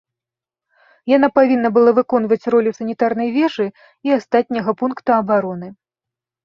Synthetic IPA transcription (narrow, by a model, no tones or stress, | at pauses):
janapavʲinːɐbɨlˠavɨkɔn̪vɐt͡sʲrɔlʲusɐnʲit̪arnɐjvʲɛʐɨ | iast̪at̪ʲnʲɐɣɐpunkt̪ɐɐbaɾɔnɨ